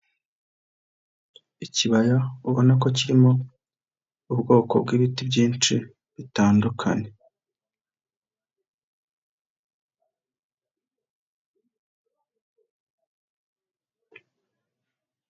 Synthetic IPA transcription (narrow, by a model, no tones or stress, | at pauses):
iciβajauβo̞nak̬o̞ciɾimo̞ | ubɡo̞ːko̞̰bɡiːβitibɟiːnt͡ʃi | βitaːndukʰa̰ɲe̞